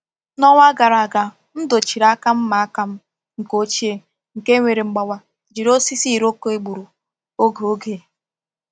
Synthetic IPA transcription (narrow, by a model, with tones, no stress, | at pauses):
nɔ˦ŋʷa˦ɡa˨ɾa˨a˨ɡa˨ | n̩˦do˨t͡ʃi˨ɾa˦ka˦m̩˦ma˨a˦ka˦m̩˦ | ŋ̩˨ko˦t͡ʃi˦e˦ | ŋ̩˨ke˦ŋʷe˨ɾe˨ŋ͡m̩˨ɡ͡ba˨wʷa˦ | d͡ʒi˨ɾo˦si˦si˦˨ɾo˦ko˦e˦ɡ͡bu˨ɾu˨ | o˦ɡo˨o˦ɡe˨